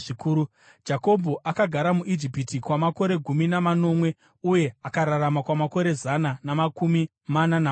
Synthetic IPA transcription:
ikuɾu | d͡ʒako̞bʱoʔakaɡʱaɾamuʔid͡ʒipitikwamako̞ɾe̞ɡʱuminamano̞mwe̞ | uje̞akaɾaramakwamako̞ɾe̞zananamakumi | manana

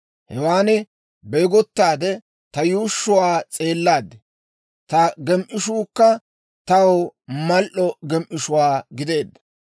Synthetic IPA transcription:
hɛwaːnɛ | beːɡɔt̪ːaːd̪ɛ | t̪ɐjuːʃːʊwaːt͡sʼe̞ːlːaːd̪ɛ | t̪ɐɡɛmʔɪʃuːkːɐ | t̪ɐwwmɐlʔɔɡɛmʔɪʃʊwaːɡɪd̪e̞ːd̪ːɐ̥

